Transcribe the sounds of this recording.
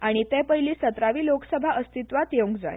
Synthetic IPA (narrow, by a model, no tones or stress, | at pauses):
aɽ̃it̪ɛpəɦiliːsət̪ɾaʋiːloksəbʱaʔəst̪it̪ʋat̪jeŋkd͡za̰j